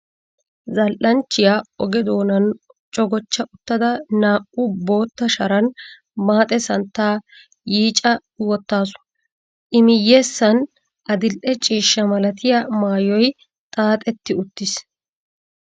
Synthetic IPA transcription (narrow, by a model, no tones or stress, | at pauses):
zɐlʔɐnt͡ʃːɪjaːɔɡɛd̪o̞ːnɐn | t͡ʃʼɔɡɔt͡ʃːɐʔʊt̪ːɐd̪ɐnaːʔʊbo̞ːt̪ːɐʃɐɾɐn | maːt̪ʼɛsɐnt̪ːaː | jiːt͡ʃʼɐ | wɔt̪ːaːsʊ̥ | ʔɪmɪjːeːsːɐn | ʔɐd̪ɪlʔɛt͡ʃʼiːʃːɐmɐlɐt̪ɪjamaːjɔj | t̪ʼaːt̪ʼɛt̪ːɪʊt̪ːɪs